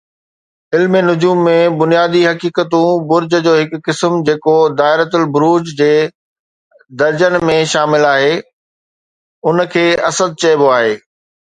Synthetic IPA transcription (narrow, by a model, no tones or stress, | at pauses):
ɪlmenʊd͡ʑuːmːẽbʊnijaːd̪iɦɐkiːkət̪ũbʊɾd͡ʑə̆d͡ʑoːɦɪkːɪsmd͡ʑeːkod̪aːɪɾət̪ʊlbʊɾuːd͡ʑd͡ʑeː | d̪ɐɾd͡ʑənmẽʃaːmɪlaːɦeː | ʊnkʰeːɐsəd̪̚t͡ɕɐɪboaːɦeː